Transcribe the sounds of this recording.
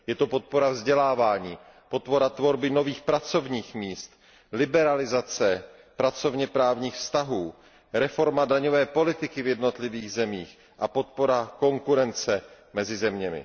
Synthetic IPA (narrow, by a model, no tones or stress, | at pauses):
jɛt̪o̞po̞t̪̚po̞ɾavzɟɛlaːvaːɲiː | po̞t̪po̞ɾat̪vo̞ɾbɪno̞viːxpɾat͡so̞vɲiːxmiːst̪ | lɪbɛɾalɪzat͡sɛ | pɾat͡so̞vɲɛpɾaːvɲiːxfst̪aɦuː | ɾɛfo̞ɾmadaɲovɛːpo̞lɪt̪ɪkɪvjɛdno̞t̪lɪviːɣzɛmiːx | ʔapo̞t̪po̞ɾako̞ŋkuɾɛnt͡sɛ | mɛzɪzɛmɲɛmɪ̰